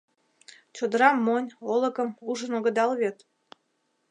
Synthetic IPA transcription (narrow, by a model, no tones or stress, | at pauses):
t͡ɕod̪əɾɑmːonʲolə̆kəmuʒənoɡə̆d̪ɑlβet̪